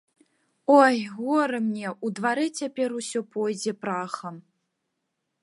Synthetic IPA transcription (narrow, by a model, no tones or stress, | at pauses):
ɔjɣɔɾɨmnʲɛʔud̪vaɾɨt͡sʲapʲɛɾusʲɔpɔjd͡zʲɛpɾaxɐm